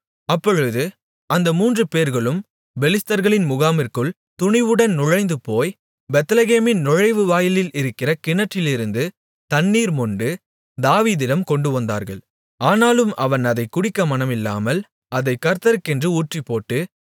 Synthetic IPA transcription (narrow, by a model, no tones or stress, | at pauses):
ɐpːɔɻɯðɯ | ʔɐnd̪ɐmuːndrɯpeːɾɣɐɭɯm | bɛlɪst̪ɐɾɣɐɭɪnmʊɣaːmɪɾkɯɭ | t̪ʊɳɪʋɯɽɐnnʊɻɐɪnd̪ɯpoːj | bɛt̪ɐlɐɣeːmɪnnʊɻɐɪʋɯʋaːjɪlɪlɪɾɯkːɪrɐkɪnɐʈːɪlɪɾɯnd̪ɯ | t̪ɐnːiːɾmɔɳɖɯ | d̪aːʋiːðɪɽɐmkɔɳɖɯʋɐnd̪a̰ːɾɣɐ̰ɭ | aːnaːlɯmɐʋɐnɐðɐɪkʊɽɪkːɐmɐnɐmɪlːa̰ːmɐl | ɐðɐɪkːɐɾt̪ɐɾɯkːɛndrɯuːʈripːoːʈːɯ